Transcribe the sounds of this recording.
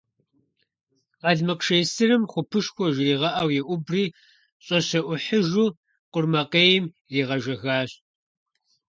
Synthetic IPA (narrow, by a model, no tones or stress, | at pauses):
ʁɑɮmɨqʂeːsɨrɨmχʷʊpʰɨʃxʷɔʒriːʁɐʔɐwjɛʔʷʊbriː | ɕʼɐɕɐʔʷʊħəʒuː | qʷʊrmɐqeːjɪm | riːʁɐʒɐɣaːɕ